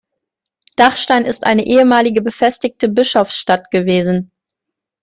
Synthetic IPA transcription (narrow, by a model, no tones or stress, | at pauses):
d̥aχʃtaɪnɪstʔa̰ɪnəʔeːəmaːlɪɡəbəfɛstɪçtəbɪʃɔfsʃtatɡ̥əveːzn̩